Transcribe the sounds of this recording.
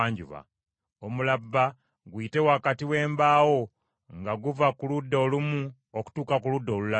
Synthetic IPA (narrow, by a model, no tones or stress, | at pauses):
ɲɟṵβa̰ | omulabːa | ɡwiːte̞wakatiwe̞ːmbaːwo̞ | ŋɡaɡuvakuludːoːlumu | oku̥tuːkakuludːo̞ːlula